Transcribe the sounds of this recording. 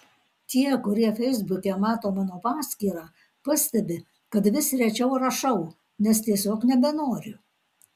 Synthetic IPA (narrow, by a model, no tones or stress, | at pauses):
t̪ʲiɛkʊɾʲiɛfʲɛɪzbʊkʲɛmɑːt̪oːmɑːnoːpɑːsʲkʲiːɾɑː | pɐsʲt̪ʲɛbʲɪ | kɐt̪ʋʲɪsɾʲɛt͡ʃʲɛʊɾɐʃɐʊ | nʲɛst̪ʲiɛsʲoːknʲɛbʲɛnoːɾʲʊ